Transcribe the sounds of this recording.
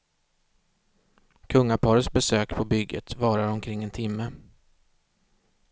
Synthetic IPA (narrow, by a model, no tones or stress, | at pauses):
kʰɵŋːapʰɑːɾət̪sbɛsøːkpʰɔbʏɡːə̰t̪vɑːɾaɾɔmkʰɾɪŋːɛnt̪ʰɪmːə